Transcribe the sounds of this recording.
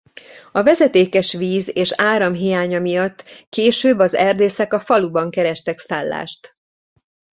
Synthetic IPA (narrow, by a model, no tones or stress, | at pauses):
ɒvɛzɛt̪eːkɛʃʋiːzeːʃaːɾɒmɦijaːɲɒmijɒt̪ːkeːʃøːbːɒzɛrd̪eːsɛkɒfɒlubɒŋkɛɾɛʃt̪ɛksaːlːa̰ːʃt̪